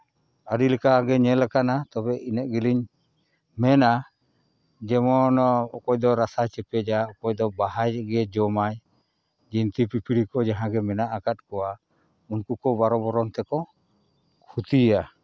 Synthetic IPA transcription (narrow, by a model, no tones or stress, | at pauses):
aɾiləkaɡɛɲɛlɛkanat̪ɔbɛʔinɛʔɡiliɲ | mɛna | d͡ʒɛmɔnɔɔkɔjd̪ɔɾasat͡ʃɛpɛd͡ʒaɔkɔjd̪ɔbaɦajɡɛd͡ʒɔmaj | d͡ʒint̪ipipiɾikɔd͡ʒaɦãɡɛmɛnaʔakat̪̚kɔwa | unkukɔbaɾɔbɔɾɔnt̪ɛkɔ | kʰut̪ija